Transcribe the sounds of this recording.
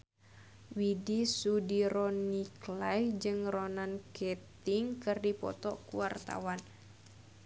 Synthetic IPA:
widisudiɾɔniklahd͡ʒɨŋronankɛt̪ɪŋkɨrdipɔ̰t̪ɔkuwart̪a̰wan

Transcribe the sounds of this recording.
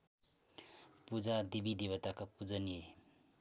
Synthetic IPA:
pud͡ʒad̪ibid̪iβat̪akʰapuzanie

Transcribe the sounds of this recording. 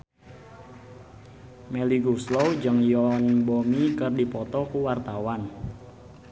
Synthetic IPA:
mɛliɡuslowd͡ʒəŋjɔnbomikərdipɔt̪ɔkuwart̪awan

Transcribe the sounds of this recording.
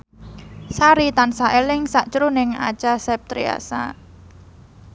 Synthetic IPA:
saɾit̪ansaʔelɪŋsaʔt͡ʃɾunɪŋa̰t͡ʃasɛp̚t̪ɾḭa̰sa̰

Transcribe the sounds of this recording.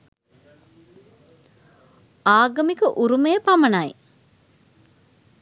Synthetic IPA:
aːɡɐmikəʔuɾumejəpamɐnaj

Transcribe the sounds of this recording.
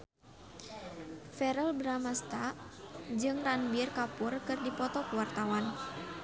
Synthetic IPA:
fɛɾəlbɾamast̪aʔd͡ʒɨŋranbirkapurkɨrdipɔt̪ɔkuwart̪awan

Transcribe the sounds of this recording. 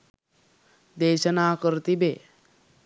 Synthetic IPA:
d̪eːɕənaːkəɾt̪ibe

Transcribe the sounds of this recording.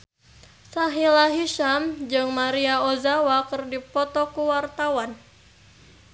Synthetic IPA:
saɦilaɦiʃamd͡ʒɨŋmaɾiaozawakɨrdipɔt̪ɔkuwart̪awan

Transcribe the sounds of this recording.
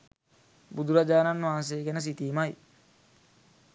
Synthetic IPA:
bud̪uɾad͡ʒaːnanːʋaːns̬ejːɡenəs̬it̪iːmaj

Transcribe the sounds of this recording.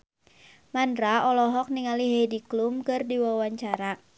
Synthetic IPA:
mandɾaɔlɔɦɔk̚niŋaliɦediklumkɨrdiwawaɲt͡ʃaɾa

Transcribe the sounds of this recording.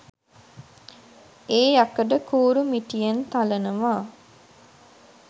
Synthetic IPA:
eːjakəɖəkuːɾumiʈijent̪alənəmaː

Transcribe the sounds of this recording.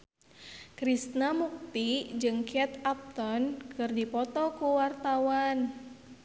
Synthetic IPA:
kɾist̪namuk̚t̪id͡ʒɨŋkɛt̪ap̚t̪ɔnkʰɨrdipɔt̪ɔkuwart̪awan

